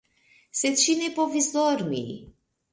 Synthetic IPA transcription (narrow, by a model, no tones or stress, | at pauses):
set͡ʃinepovizornḭj